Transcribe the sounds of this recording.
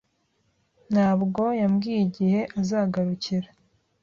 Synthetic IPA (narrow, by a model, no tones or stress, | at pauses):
n̥haːbɡo̞jamɡiːjiɟihe̞ʔazaːɡaɾuciɾa